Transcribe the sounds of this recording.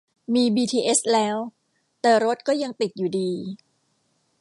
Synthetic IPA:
miː˧biː˧t̪ʰiː˧ʔe˦˥slɛː˦˥w | t̪ɛː˨˩ɾo˦˥t̪̚kɔː˥˩ja˧ŋt̪i˨˩t̪̚juː˨˩diː˧

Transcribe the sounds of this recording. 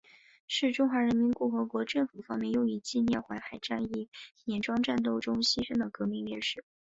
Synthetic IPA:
ʂɻ̩˥˩ʈ͡ʂʊ˥ŋxwa˧˥ɻə˧˥nmi˧˥nkʊ˥˩xɤ˧˥kwɔ˧˥ʈ͡ʂɤ˥˩ŋfu˨˩fɑ˥ŋmjɛ˥˧njo˥˩ʊi˧˥t͡ɕi˥˧njɛ˥˩xwa˧˥ɪxa˧˥ɪʈ͡ʂa˥˧ni˥˩jjɛ˧˩nʈ͡ʂwɑ˥ŋʈ͡ʂa˥˧nt̪̬o˥˩ʊʈ͡ʂʊ˥ŋɕi˥ʂə˥ŋd̪ə˨kɤ˧˥mi˥˧ŋjɛ˥˧nʂɻ̩˥˩

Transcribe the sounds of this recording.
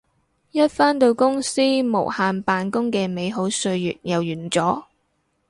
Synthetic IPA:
jɐ˥t̚faː˥nt̪o˧wkʊ˥ŋsiː˥mo̰˨˩whaː˧npaː˧nkʊ˥ŋkɛː˧me˨˧jɦo˨˥wsɵ˧ɥjy̰ː˨t̚jɐ˨˩wjyː˨˩nt͡sɔː˨˥

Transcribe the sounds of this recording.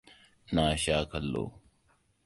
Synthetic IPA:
naː˨ɕaː˦kʰɐ˨lːo̰ː˨

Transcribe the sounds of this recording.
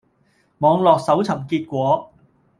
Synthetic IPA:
mɔː˨˧ŋlɔː˨k̚sɐ˨˥wt͡sʰɐ˨˩mkiː˧t̚kʷɔː˨˥

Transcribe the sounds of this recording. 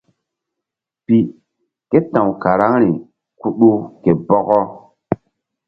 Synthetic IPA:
pi˨ | ke˦tã˨wka˨ɾa˦ŋɾi˨ | ku˦ɗu˦ke˨bɔ˦ɣɔ˦

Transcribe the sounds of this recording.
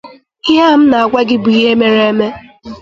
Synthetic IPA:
ɪ˦ɦa˦m̩˦na˨a˨ɡʷa˦ɡɪ˦bu˨i˦ɦe˦me˦ɾe˦e˦me˦

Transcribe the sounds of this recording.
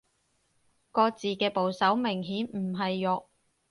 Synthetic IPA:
kɔː˧t͡siː˨kɛː˧po˨wsɐ˨˥wmɪ˨˩ŋɦiː˨˥nm̩˨˩ɦɐ˨jːɔː˨˧k̚

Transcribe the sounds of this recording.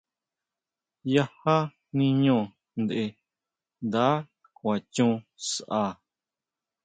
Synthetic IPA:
ja˦ha˦ | nĩ˧ɲõ˦˧˨ | nd̪e˧ | nd̪aː˨˦ | kʷã˨t͡ʃũ˦sʔa˧˨

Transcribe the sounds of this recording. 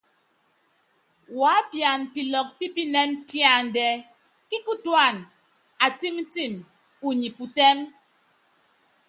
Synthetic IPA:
wa˨˦pja˨npi˨lɔ˨k̚pi˦pi˦nɛ˦ntja˦˨n̩˨dɛ˦ | ki˦ku˦twa˦˨n | a˨ti˦mn̩˦ti˦˨m | u˨ɲi˨pu˨tɛ˦m

